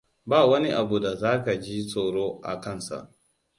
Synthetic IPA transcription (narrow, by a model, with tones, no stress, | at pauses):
baː˦˨wɐ˦ni˦ʔa˨bu˨da˨zaː˦ka˨d͡ʒi˦sʼoː˨ɽoː˦ʔa̰˨kɐ˦˨nsa̰˨ʔ